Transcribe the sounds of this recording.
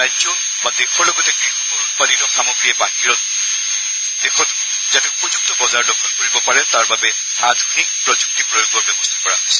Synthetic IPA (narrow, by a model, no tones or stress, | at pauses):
ajzɔ | badexɔɹlɔɡɔtɛkɹixɔkɔutpanitɔxamɔɡɹiɛbaɦiɹɔ | d̥exʰɔtʊ | zatɛupuzuk̚tɔbɔzaɹlɔkʰɔnkoɹibɔpaɹɛtaɹbabɛ | ad̪ʱɔnik̚pɹɔd͡ʒuk̚tipɹɔjoɡɔbjɔbɔstʰḁkɔɹaɦɔjsɛ